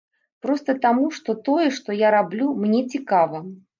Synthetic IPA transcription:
pɾɔst̪ɐt̪amuʂt̪ɔt̪ɔjɛʂt̪ɔjaɾablʲumnʲɛt͡sʲikavɐ

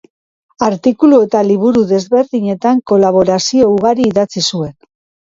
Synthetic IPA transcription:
aɾt̪ikulue̞t̪aliβuɾuðe̞zβe̞ɾðiɲe̞t̪aŋko̞laβ̞o̞ɾasio̞uɣaɾiːðat͡sisue̞n

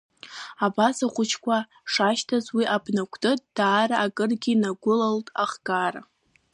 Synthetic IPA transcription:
abasaχʷʊt͡ʃʰkʷa | ʂaʃtʰazwiʔabnakʷʰtʼɨt̚ʼd̥aːraʔakʼɨrɡʲinaɡʷʊlaltʼaχɡara̰

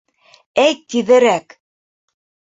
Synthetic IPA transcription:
æjt̪ːiðɘ̆ɾæk

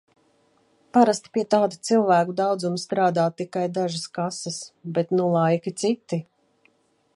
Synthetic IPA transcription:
paɾast̪i̥piɛt̪aːd̪ut̪silˠvæːkud̪awd̪zumst̪ɾaːd̪aːt̪ːikajd̪aʒaskasɐsbɛt̪nulˠajkit̪sit̪ːi

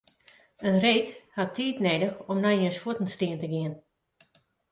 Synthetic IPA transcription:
ənreːthatʰːiːtneːdəxɔmnajənsfutn̩stɪəntəɡɪən

